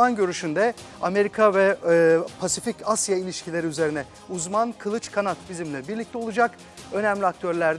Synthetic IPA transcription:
anɟø̞ɾyʃynd̪ɛame̞ɾikʰavɛpʰasificasjailʲiʃcʰilʲe̞ɾiyze̞ɾinɛ | uzmankʰɯlˠɯt͡ʃkʰanat̪bizimlʲɛbiɾlʲic̚t̪ʰɛo̞lˠud͡ʒak | ø̞næmlʲiak̚t̪ʰøɾlʲæɾd̪

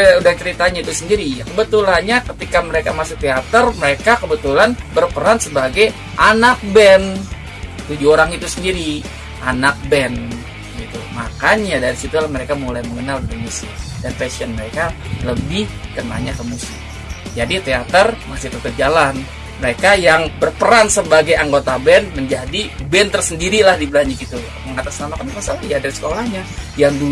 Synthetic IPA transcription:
udat͡ʃəɾit̪aɲait̪usəndiɾiakəbət̪ulanɲakət̪ikaməɾekamasʊk̚t̪eat̪ərməɾekakəbət̪ulanbərpəɾansəbaɡaj | ʔanak̚bɛn | t̪ud͡ʒuoɾaŋit̪usəndiɾi | ʔanak̚bɛn | ɡit̪ṵma̰kanɲadaɾisit̪ulahməɾekamolajməŋənaldamusɪdanfɛsiənməɾekaləbɪhkəna̰ɲakəmusɪk | d͡ʒadit̪eat̪ərmasɪht̪ət̪ət̪̚d͡ʒalan | məɾekajaŋbərpəɾansəbaɡajaŋɡot̪abɛnməɲd͡ʒadibɛnt̪ərsəndiɾilahdibəlaɲd͡ʒʊkit̪u | məŋat̪asnanakənamasalaiadadisə̥kolahɲajaŋdu

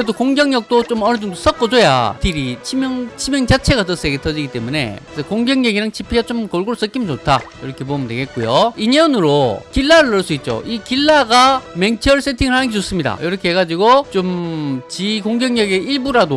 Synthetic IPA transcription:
kɯɾedokoŋɡjʌŋɲʌk̚t͈ot͡ɕomʌnɯd͡ʑɯŋdos͈ʌk͈ʌd͡ʑoja̰tiɾit͡ɕʰimjʌŋt͡ɕʰimjʌŋt͡ɕat͡ɕʰe̞ɡatʌs͈eɡetʰʌd͡ʑiɡit͈e̞mune̞̰kesʰʌkoŋɡjʌŋjeɡiɾaŋt͡ɕipʰiɡat͡ɕomkʌɭɡoɾos͈ʌk͈imint͡ɕotʰajiɾʌkʰe̞p̬omɯndweɡe̞t̚k͈ojoineonɯɾokiɭːaɾɯɭʌɭs͈uit̚t͡ɕ͈o̰ʔikiɭːaɡame̞ŋt͡ɕʰʌɭs͈etʰiŋɯɭhanɯnɡet͡ɕos͈ɯmɲida̰jʌɾʌkʰeɦeɡad͡ʑiɡot͡ɕomt͡ɕikoŋɡjʌŋɲʌɡe̞iɭbuɾado

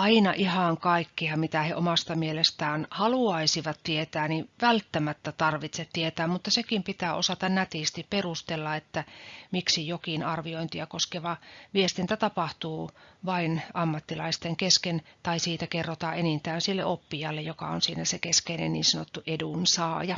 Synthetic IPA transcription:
ɑinɑʔihɑŋkɑikːiɑmit̪æheʔomɑst̪ɑmielest̪æːnhɑluɑisiʋɑt̪t̪iet̪æːniʋælt̪ːæmæt̪ːæt̪ɑrʋit̪set̪t̪iet̪æːmmut̪ːɑsekimpit̪æːʔo̰sɑt̪ɑnnæt̪ist̪ipperust̪elːɑet̪ːæmiksijokinɑrʋioint̪iɑkoskeʋɑʋiest̪int̪æt̪ɑpɑht̪uːʋɑinɑmːɑt̪ːilɑist̪eŋkeskent̪ɑisiːt̪ækerːot̪ɑʔenint̪æːnsilːḛʔopːijɑlːejokɑ̰o̰nsiːnæsekeskeinḛnnḭːnsɑnot̪ːuʔedunsɑːjɑ

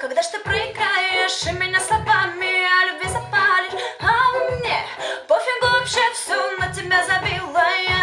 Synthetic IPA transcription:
kɐɡ̚d̪aʂt̪ɨpɾəɪkajɪʂɨmʲɪnʲaslˠɐbamʲɪɐlʲʊbvʲizɐpalʲɪamnʲepofʲɪɡoɐpɕɛsʲumːətʲɪbʲazɐbʲilˠəjə

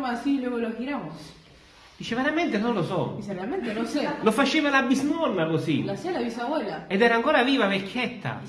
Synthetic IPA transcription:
masilweɣolokiɾamos | d̪iːt͡ʃeveɾament̪enonlosɔ̰iserealmẽnt̪enosɛlofat͡ʃeːvalabiznɔnːakosḭlaselaβisawɛlaed̪ɛːɾaːŋkoːɾaviːvavekʰʲːɛt̪ːa̰

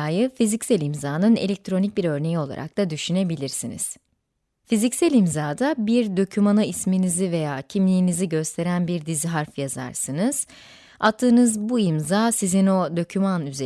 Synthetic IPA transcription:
jɯfizicsælʲimzaːnɯne̞̰lʲec̚t̪ʰɾo̞nic̚biɾø̞ɾne̞jio̞lˠa̰ɾa̰k̚t̪ʰad̪yʃyne̞bilʲiɾsinḭz̥ | fizicsælʲimzaːd̪abiɾd̪o̞cʰymanaisminizive̞jaːcʰimlʲijːniziɟø̞st̪ʰe̞ɾænbiɾd̪iziɦaɾfjaza̰ɾsɯnɯz̥ | at̪ʰːɯːnɯzbuimzaːsizino̞d̪o̞cʰymanyze

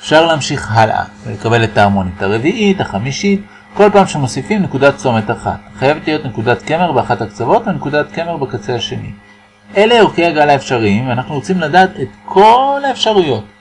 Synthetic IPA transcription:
efʃaʁleamʃiχɦalʔa̰vele̞kabe̞le̞taːʁmonitaʁe̞viʔitaχamiʃit | ko̞lpaːmʃemo̞sifimne̞kudatt͡so̞me̞taχa̰tχajevetlijo̞tne̞kudatke̞me̞ʁbeaχathakt͡savo̞tvenekudatke̞me̞ʁbekat͡se̞aʃe̞nḭ | ʔe̞leiʁkeaɡalaefʃaʁimveanaχnuʁot͡simladaːtetkʰo̞laefʃaʁujo̞t

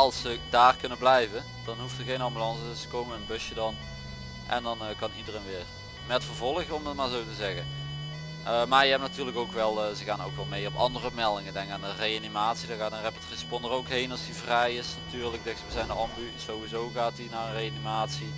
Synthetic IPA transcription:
ɑlˠsədaːrkɵnəblɛjvə | d̥ɑnɦuftəɣejnɑmbylɑnsəəsə̥kowməənbɵsjədɑn | ʔɛ̰ndɑnkɑnidərejnʋɪːr | mɛtfəɹvɔlˠəɣəɔmdətmaːɹzowtəzɛɣən | ʔəmaːɹjəɦɛptnatyːrləkowkʋɛlˠːzəɣaːno̰wkʋɛlˠmejɔpɑ̰ndərəmɛlˠdɪŋədɛŋkaːnərejanimaːtsidɔɣaːtənrepətrispɔndərowkɦejnɑlˠsdivrɛjɪsnatyːɹlək̚dɛxsʋəzɛjndəɑmby | sowʋizowɣaːtinaːrənrejanimaːtsi

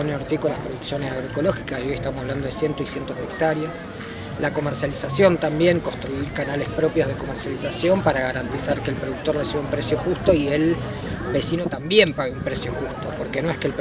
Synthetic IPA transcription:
oneoɾt̪ikolaspɾo̞ðuksjo̞nesaɣɾoeko̞lo̞xikasiojeht̪amosaβland̪oðesje̞nt̪oisje̞nt̪oðeek̚t̪aɾjas | lako̞meɾsjalisasjo̞nt̪ambje̞ŋkonst̪ɾuiɾkanale̞spɾo̞pjo̞zð̞e̞ko̞meɾsjalisasjo̞mpaɾaɣaɾant̪isaɾkeːlpɾo̞ðuk̚t̪o̞resiβaumpɾesjo̞xust̪o̞iel | be̞sino̞t̪ambje̞mpaɣeumpɾesjo̞xust̪o̞po̞ɾke̞noe̞hkeːlp

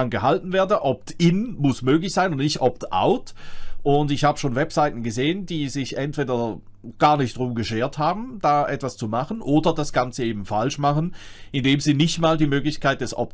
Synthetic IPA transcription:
anɡəhaltn̩veːɐdəʔɔptɪnmʊsmøːɡlɪçz̥aɪnʊnnɪçtʔɔp̚tʔa̰ʊtʔʊntɪçhaːbəʃoːnvɛpz̥aɪtn̩ɡəzeːəndiːzɪçʔɛntv̥eːdɐ | ɡ̥aːɐnɪçtd̥ʁʊmɡəʃeːɐthaːbm̩d̥aːʔɛtv̥ast͡sumaχnʔoːdɐd̥asɡ̥ant͡səeːbm̩falʃmaχənʔɪndeːmziːnɪçtmaːldiːmøːɡlɪçkʰaɪt̚d̥ɛsʔɔ̰p̚

